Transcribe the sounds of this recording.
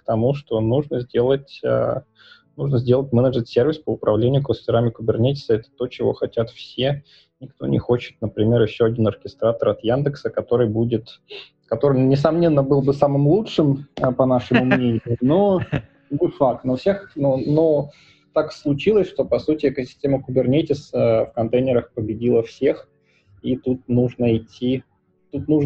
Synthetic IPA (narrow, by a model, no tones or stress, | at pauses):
kt̪ɐmuʂt̪o̞nuʐnəzʲdʲe̞lˠətʲə̰ | nuʐnəzʲdʲelˠətʲmɛnəd͡ʐʐət̪sʲervʲɪspəʊpɾɐvlʲenʲɪjʊkləsʲtʲɪɾamʲɪkʊbʲɪrnʲetʲɪ̥səɛt̪ə̥t̪o̞t͡ɕɪvo̞̰xɐtʲat̪fsʲe | nʲɪkt̪o̞̰nʲʔɪ̰xo̞t͡ɕɪ̥t̪̚nəpɾʲɪmʲe̞ɾjɪɕːoɐdʲinɐrkʲɪst̪ɾat̪əɾɐt̪jand̪ɨksəkɐt̪o̞ɾɨjbudʲɪt̪ | kɐt̪o̞ɾɨmnʲɪsɐmnʲe̞nːəbɨlˠbɨsamɨmlˠutʂɨməpɐnaʂɨmʊmnʲenʲɪjʊno | nʲɪfakt̪nofsʲe̞xnono | t̪akslˠʊt͡ɕilˠəsʲʂt̪o̞pɐsutʲɪɛkəsʲɪ̥sʲtʲeməkʊbʲɪrnʲetʲɪsəfkɐnt̪ejnʲɪɾəxpəbʲɪdʲilˠəfsʲe̞x | it̪ut̪̚nuʐnəɪtʲʰːi | t̪ut̪nuʐ